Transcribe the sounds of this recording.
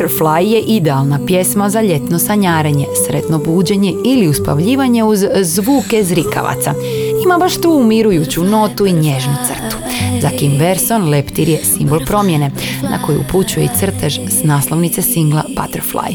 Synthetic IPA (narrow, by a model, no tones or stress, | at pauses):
ɾflajje̞ʔid̪ealˠnapje̞smazaʎe̞t̪no̞saɲaːɾeɲe̞sɾe̞t̪no̞buːd͡ʑe̞ɲe̞iliuspa̰ʋʎiːʋaɲe̞uzzʋuːke̞zɾika̰ʋa̰t̪sa̰imabaʃt̪uːumiɾujut͡ɕuno̞t̪uiɲeʒnut̪sr̩t̪u̥ | zakimbeɾso̞nle̞pt̪iɾje̞simbo̞lˠpɾo̞mje̞ne̞nʔa̰ko̞jṵṵput͡ɕujeit̪r̩t̪eʒsnaːslo̞ʋnit̪sesiŋɡlˠapa̰t̪eɾflˠa̰j